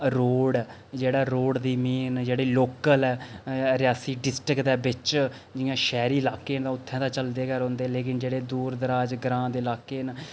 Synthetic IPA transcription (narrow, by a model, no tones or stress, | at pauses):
ɾoːɽd͡ʒeːɽaːɾoːɽd̪iːmiːnd͡ʒeːɽiːloːkəlɛːɾɪjaːsiːɖɪsʈɾɪkt̪ɛːbɪt͡ʃ | d͡ʒɪjãːʃɛːɾiːlaːkːeːnd̪ãːʊt̪ʰːɛ̃ːd̪aːt͡ʃəld̪eːkəɾɦõːnd̪eːleːk̬ɪnd͡ʒeːɽeːd̪uːɾd̪əɾaːd͡ʒɡɾãːd̪eːlaːkːeːn